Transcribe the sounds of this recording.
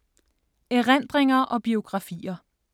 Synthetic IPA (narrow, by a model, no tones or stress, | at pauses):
eʁɛn̰d̥ʁeŋɐʔɒ̽b̥io̝ɡ̥ʁɑ̈fḭːɐ